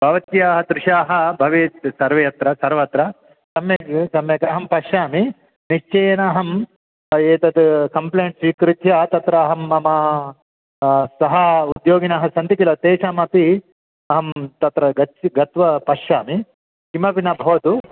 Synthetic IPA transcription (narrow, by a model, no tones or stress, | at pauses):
bʱɐʋɐt̪jaːɦɐd̪ɾɪʃaːɦɐbʱɐʋit̪sɐɾʋɐjɐt̪ɾɐsɐɾʋɐt̪ɾɐ | sɐmjɐsɐmjɐkɐɦɐmpɐʃaːmi | niʃt͡ʃɐjnaːɦɐm | eːt̪ɐt̪kɐmpleːɳʈsiːkɾit̪jɐt̪ɐt̪ɾɐːɦɐmɐmɐ | sɐɦɐud̪joːɡinaːɦɐsɐnt̪ikilɐt̪eːʂaːmɐpi | ɐɦɐmt̪ɐt̪ɾɐɡɐɡɐt̪ʋɐpɐʃaːmi | kimɐpinɐbʱɐʋɐt̪u